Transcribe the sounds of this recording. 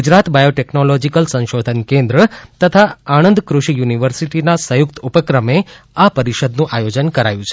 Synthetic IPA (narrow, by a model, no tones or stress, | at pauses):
ɡud͡ʒɾat̪bajoʈɛknolod͡ʒikəlsə̃ʃod̪ʱənkẽnd̪ɾət̪ət̪ʰaañənd̪kɾuʃijuniʋəɾsiʈinasəjʊkt̪upəkɾəme | apəɾiʃəd̪nũʔajod͡ʒənkəɾa̰jũt͡ʃʰe̥